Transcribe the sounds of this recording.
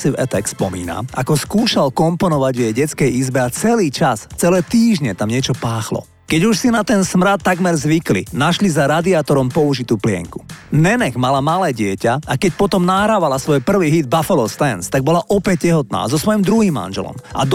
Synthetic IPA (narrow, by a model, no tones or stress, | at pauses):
sivɛt̪ɛkspɔmḭːna̰ʔakɔskuːʃalkɔmpɔnɔʋaɟvjɛjɟɛt͡skɛjizbɛat͡sɛliːt͡ʃast͡sɛlɛːt̪iːʒɲɛt̪amɲɪɛt͡ʃɔpaːxlɔ̰ | kɛɟuʃsinat̪ɛnsmɾat̪ːaɡmɛɾzʋiklḭnaʃlizaɾad̪iaːt̪ɔɾɔmpɔuʒit̪uːplɪɛ̰ŋku̥nɛnɛɡmalamalɛːɟɪɛcaakɛcpɔt̪ɔmnaɦɾaːʋalasʋɔjpr̩ʋiːɦid̪̚bafalɔst̪ɛnst̪aɡ̚bɔlaʔɔpɛc̚cɛɦɔt̪na̰ːzɔsʋɔjimd̪ɾuɦiːmːa̰nʒɛ̰lɔ̰mʔa̰d̪